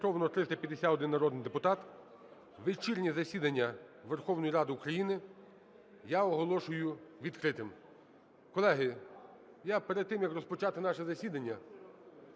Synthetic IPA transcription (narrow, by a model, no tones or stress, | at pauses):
ɔʋnɔt̪ɾɪst̪ɐpʲjɐd̪esʲat̪ɔd̪ɪnːɐɾɔd̪njd̪epʊt̪ɑt̪ | ʋet͡ʃirʲnʲizɐsʲid̪ɐnʲːɐʋerxɔwnɔjiɾɑd̪ɪukɾɐjinɪ | jaɔɦɔlˠɔʃʊjʊʋʲid̪kɾɪt̪ɪm | kɔlˠɛɦɪ | japeɾed̪̚t̪ːɪmjɐkrɔspɔt͡ʃɑt̪ɪnɑʃɛzɐsʲid̪ɐnʲːɐ